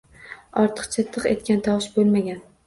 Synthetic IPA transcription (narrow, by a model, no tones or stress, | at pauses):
ɒɾt̪ʰɨ̥qt͡ʃʰat̪ʰːɨqe̞̰t̪̚kʲant̪ʰawʃbolˠmaɡʲan